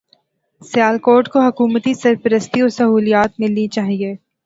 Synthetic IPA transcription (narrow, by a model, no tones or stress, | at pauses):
sɪjaːlkoːɾʈkoɦɐkuːmət̪isɐɾpəɾəst̪iɔːɾsɐɦuːlijaːt̪̚mɪlnit͡ʃaːɦieː